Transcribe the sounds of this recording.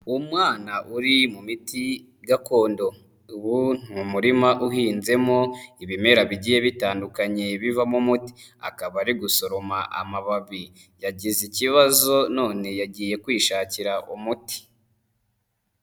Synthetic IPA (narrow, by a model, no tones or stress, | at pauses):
umŋaːnaʔuɾimumiti | ɡako̞ːndo̞ | uβun̥uumuɾimaʔuhiːnze̞mo̞iβime̞ɾaβiɟije̞βitaːndukaɲe̞βivamumuti̥a̰kaβaɾiɡuso̞ɾo̞maʔa̰maβaβi | jaɟiziciβazo̞no̞ːne̞jaɟije̞kwiːʃaːciɾaʔumuti̥